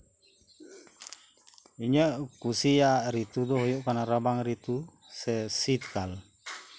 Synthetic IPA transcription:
iɲəʔkusijaʔɾit̪ud̪ɔɦɔjɔʔkanaɾabaŋɾit̪u | sɛsit̪̚kal

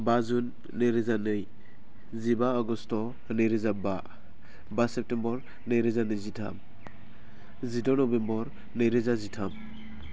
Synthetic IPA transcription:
bazunː | ɯɾezanɯj | zibaɔɡɔstɔ | nɯjɾezaba | basɛp̚tembɔɾ | nɯjɾezanɯjzitʰa̰m | zidɔnɔbembɔɾ | nɯjɾezazitʰam

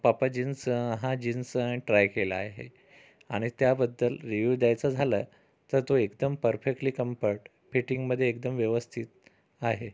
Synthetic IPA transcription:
papad͡ʑinsɦãd͡ʑinsʈɾajkelaaɦḛ | a̰ɽ̃it̪jabəd̪ːəlɾiʋuːʋd̪jajt͡sad͡zʱalə | t̪əɾt̪oekd̪əmpəɾfek̚ʈliːkəmpəɾʈ | fiʈiŋɡməd̪ʱːjeːkd̪əmʋjeʋəst̪ʰit̪ | aɦe

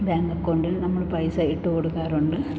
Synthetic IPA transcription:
beːŋɡɐkːoɳɖilnɐmːɐɭpɐjsaːjiʈːɨkoɽukːaːɾuɳɖɨ

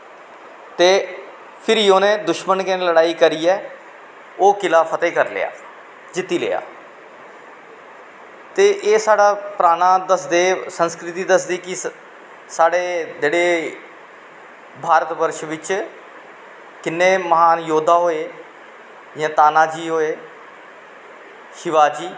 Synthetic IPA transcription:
t̪eː | pʰɪɾioːnẽːd̪ʊʃmənkeneləɽaːiːkəɾiːɛː | oːkɪlaːpʰət̪eːkəɾlḛa̰ː | d͡ʒɪt̪ːiːlḛːa̰ː | t̪eːʔeːsaːɽaːpɾaːnaːd̪əsd̪eːsənskɾɪt̪iːd̪əsd̪iːkɪ | saːɽeːd͡ʒeːɽeː | bʱaːɾət̪ʋəɾʃʋɪt͡ʃ | kɪnːeːməɦaːnjoːd̪ʱaːɦoːeː | jãːt̪aːnaːd͡ʒiːɦoːeː | ʃɪʋaːd͡ʒiː

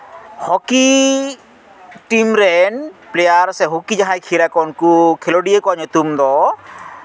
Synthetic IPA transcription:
hɔki | ʈimɾɛnplejaɾsɛɦukid͡ʒaɦajkʰiɾakɔnkukʰelɔɖijekɔɲɔt̪umd̪ɔ

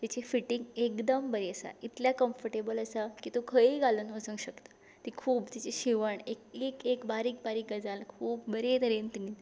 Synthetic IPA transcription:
t̪it͡ɕefiʈiŋɡekd̪əmbəɾeəsa̰it̪ljakəmfəɾʈebələsakit̪okʰəiɡalənʋəsə̃ŋɡɕəkt̪ḁ | t̪ikʰuːpt̪it͡ɕeɕiʋəɳekekekbaɾiːk̚baɾiːk̚ɡəd͡zalkʰuːp̚bəɾed̪əɾent̪iniː

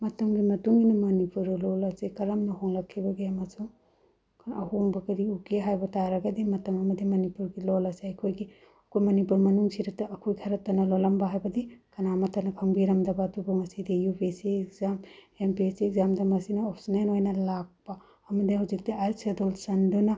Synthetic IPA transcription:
mɐtɐmɡimɐtuŋɡinimɐnipuɾɐlɔlɐsekɐɾɐmnɐhoŋlɐkʰːibɐɡemɐsuŋ | ɐhoŋbɐkɐɾiukeɦajbɐtaɾɐɡɐdimɐtɐmɐmɐdimɐnipuɾɡilɔlɐseɐkʰojɡi | ɐkʰojmɐnipuɾmɐnuŋsʰiɾɐtɐːkʰojkʰɐɾɐtːɐnɐlolɐmbɐɦajbɐdikɐnamɐtɐnɐkʰɐŋbiɾɐmdɐbadubɐŋɐsidijupesiekzam | empsiekzamdɐmɐsinɐɔpʰsinenojnɐlak̚pɐː | mɐdihawzik̚diʔajsedolsɐndunɐ

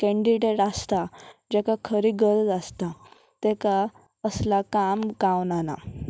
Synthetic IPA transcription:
kɛ̃ɳɖiɖeʈast̪ad͡ʑɛkakʰəɾiɡəɾd͡zast̪a | t̪ɛka | əslakamɡaʋnana̰

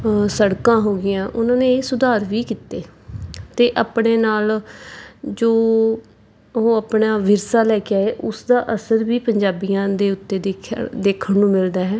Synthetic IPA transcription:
səɽkãːɦoːɡɪjãːʔʊnãːneːsʊd̪aːɾʋiːkiːt̪eːt̪eːʔaːpɳeːnaːl | d͡ʒoː | ɦõːəpɳaːʋɪɾsaːlɛːkɪaːeːʔʊsd̪aːʔəsəɾʋiːpəɲd͡ʒaːbijãːd̪eːʊt̪ːeːd̪eːd̪eːkʰəɳnũːmɪld̪aːɦɛ̃ː

